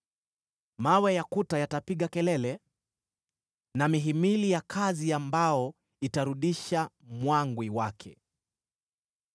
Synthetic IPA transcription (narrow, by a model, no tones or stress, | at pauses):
mawɛjakutajatapiɠakɛlɛlɛ | namiɦimilijakʰaziambaɔ | itaɾuɗiʃamwaŋɡwiwakʰɛ